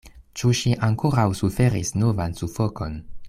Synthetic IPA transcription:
t͡ʃuʃiʔaŋko̞ɾawsufe̞ɾḭsno̞vansufo̞ko̞n

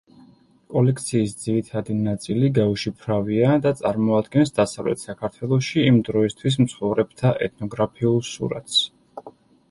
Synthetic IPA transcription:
kʼɔlɛkʰt̪sʰiːsd̪ziɾit̪ʰad̪inat̪sʼiliɡauʃipʰɾaviad̪at̪sʼaɾmɔad̪ɡɛnsd̪asavlɛ̰t̪ʰsakʰaɾt̪ʰwɛlˠɔʃiːmd̪ɾɔist̪ʰwis̬mt̪sʰχɔvɾɛb̚t̪ʰaʔɛt̪ʰnɔɡɾapʰiulˠsṵɾa̰t̪ʰs

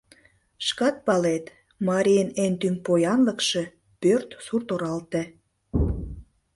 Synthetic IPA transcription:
ʃkɑt̪̚pɑlet̪ | mɑɾʲijənent̪ympojɑnləkʃe̽ | pørt̪surt̪oɾɑlt̪ĕ

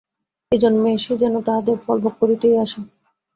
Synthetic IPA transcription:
ed͡ʑonmeʃed͡ʑɛnot̪aɦad̪eɾfɔlbok̚ːoɾit̪ejaʃe

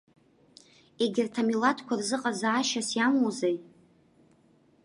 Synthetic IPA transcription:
e̞ɡʲɪrtʰamilatʰkʷʰarzɨqʼazaːʃasjamozej

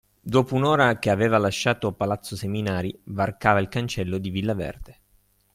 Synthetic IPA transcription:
d̪oːpounoːɾakeaveːvalaʃːaːt̪opalat̪sːoseminaːɾivarkaːvailkant͡ʃɛlːod̪ivilːavɛ̰rd̪̥e

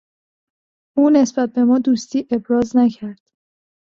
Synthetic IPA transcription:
ʔuːne̞sb̥æt̪̚be̞mɒːd̪uːst̪iːʔe̞bɾɒːznæcʰæɾd̪̥

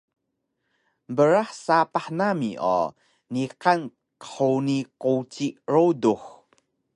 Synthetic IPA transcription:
bəɾaħsapaħnamiʔɔ̰ | niqan | kə̥ħownikot͡siʔɹowdux

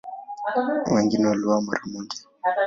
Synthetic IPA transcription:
wɛŋɡinɛwaluwamɔɾamuɡɛ

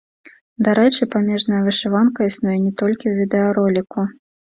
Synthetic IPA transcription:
d̪aɾɛt͡ʂɨpamʲɛʐnɐjɐvʲɨʂɨvankɐisnujɛnʲɛt̪ɔlʲkʲiwvʲid̪ɛɐɾɔlʲiku

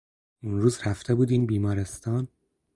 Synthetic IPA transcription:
unɾuːzɾæft̪ʰe̞buːd̪iːnbiːmɒːɾest̪ɒːn

